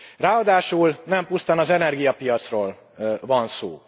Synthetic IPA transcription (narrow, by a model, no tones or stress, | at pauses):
raːɒd̪aːʃulnɛmpust̪ɔnɒzɛnɛrɡijɒpijɒt̪sroːl | vɒnso̰ː